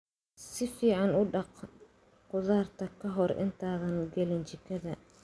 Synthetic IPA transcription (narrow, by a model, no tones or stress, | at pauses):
sɪfiːʕɑnʊɖɑq | qʊðaːrt̪ʰɐkʰɐɦɔrɪ̰nt̪ʰaːðɐnɡɛlɪnt͡ʃɪkʰɐðɐ